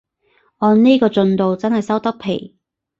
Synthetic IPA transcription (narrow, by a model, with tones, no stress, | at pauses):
ɔː˧nneː˥kɔː˧t͡ʃɵ˧nt̪o˨wt͡sɐ˥nhɐ˨jsɐ˥wt̪ɐ˥k̚pʰe˨˩j